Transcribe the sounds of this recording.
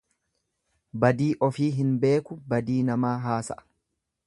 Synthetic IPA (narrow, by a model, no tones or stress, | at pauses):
bɐd̪iːʔɔfiːɦɪnbe̞ːkʊbɐd̪iːnɐmaːɦaːsɐʔɐ̥